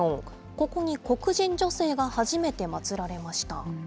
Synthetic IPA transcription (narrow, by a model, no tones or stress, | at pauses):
õŋ | ko̞ko̞ɲ̟iko̞kɯ̟ʑĩɲ̟d͡ʑo̞se̞ːɡahaʑime̞t̪e̞mat͡sɨɾaɾe̞maɕi̥t̪a̰